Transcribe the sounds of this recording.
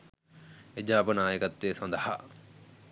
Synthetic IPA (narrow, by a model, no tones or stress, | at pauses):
ed͡ʑaːpənaːjəkɐt̪ːeːsɐnd̪ɐha̰